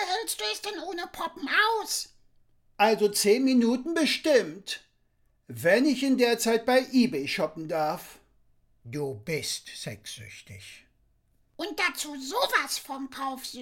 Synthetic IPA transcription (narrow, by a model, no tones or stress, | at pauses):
hɛlstd̥uɛsd̥ɛnʔoːnəpʰɔpm̩ʔaʊs | ʔalzot͡seːnminuːtn̩bəʃtɪmt | vɛnɪçɪndeːɐt͡saɪt̚b̥aɪʔiːbeɪʃɔpm̩daɐf | d̥uːbɪstz̥ɛksʏ̰çtɪ̰ç | ʔʊnt̚d̥at͡suːzoːvasfɔmkʰaʊfz̥